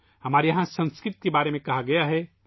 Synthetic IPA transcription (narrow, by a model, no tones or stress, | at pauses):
hɐmaːɾjɐɦãsə̃nskɾɪt̪̚kebaːɾemẽkɐɦaɡɐjaɦɛ